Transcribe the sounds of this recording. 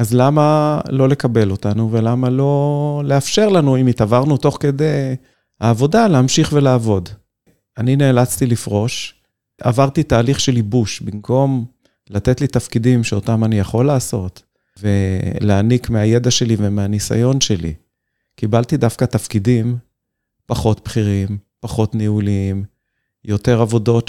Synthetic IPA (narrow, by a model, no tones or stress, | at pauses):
azlamalo̞le̞kabe̞lo̞t̪anuve̞lamalo̞leafʃe̞ʁlanuimit̪avaʁnut̪o̞χke̞d̪ej | ha̰ːvo̞daleamʃiχvelaːvo̞d | anineːlat͡st̪ilifʁo̞ʃ | a̰vaʁt̪it̪aːliχʃe̞libuʃbimkʰo̞m | lat̪et̪lit̪afkidimʃeo̞tamanijaχo̞lːaːso̞t̪ | ve̞leːnikmeaje̞d̪aʃe̞livemeanisa̰jo̞nʃe̞lḭ | kibalt̪id̪afkat̪afkidim | paχo̞t̪̚pχiʁimpaχo̞t̪nihulim | jo̞t̪e̞ʁavo̞do̞t